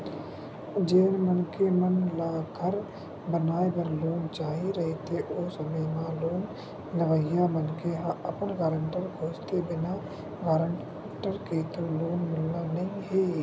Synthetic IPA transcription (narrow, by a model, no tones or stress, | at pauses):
d͡ʒeːnmənkemənlakʰəɾ | bənaːepəɾloːnt͡ʃaːɦiɾɐɦet̪ʰeʔoːsəməjmãloːn | ləʋəjamənkeɦaɐpənɡaːɾə̃ɳʈəɾkʰoːst̪ebɪna | ɡaːɾəɳ | ʈəɾket̪oloːnmʊlːanɐĩɦeː